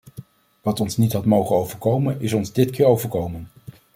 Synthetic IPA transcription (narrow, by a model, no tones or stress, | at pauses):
ʋɑtɔnsnitɦɑtmowχənowvəɹkowmənɪsɔnzdɪtkɪːɹowvəɹkowmən